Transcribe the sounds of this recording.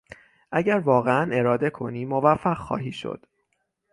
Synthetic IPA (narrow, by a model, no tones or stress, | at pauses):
ʔæɟæɾvɒːɣeæne̞ɾɒːd̪e̞kʰo̞niːmovæfːæɣxɒ̰ːɦiːʃo̰d̪̥